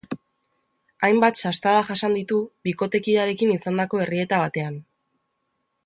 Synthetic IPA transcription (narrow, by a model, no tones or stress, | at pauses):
ajmbat̪sast̪aðaʝasand̪it̪uβiko̞t̪e̞kiaɾe̞kinisand̪ako̞e̞rie̞t̪aβat̪e̞an